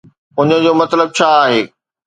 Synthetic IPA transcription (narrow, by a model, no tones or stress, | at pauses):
ʊɲə̆d͡ʑoːmɐt̪ləb̚t͡ɕʰaːaːɦeː